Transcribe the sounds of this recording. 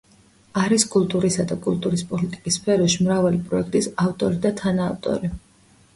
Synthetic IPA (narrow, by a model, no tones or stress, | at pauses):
aɾiskʼulˠt̪ʼuɾisad̪akʼulˠt̪ʼuɾispʼɔlit̪ʼikʼisːpʰɛɾɔʃimɾavalipʼɾɔɛkʰt̪ʼisaft̪ʼɔɾid̪at̪ʰanaːft̪ʼɔ̰ɾi